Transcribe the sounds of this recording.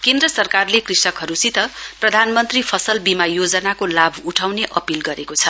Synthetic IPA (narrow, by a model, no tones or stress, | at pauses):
kend̪rʌsʌrkarlekrisʌkɦʌɾusit̪ʌprʌd̪ʱanmʌnt̪ripʰʌsʌlbimajod͡zʌnakolabʱuʈʰawneʔʌpilɡʌɾekot͡sʰʌ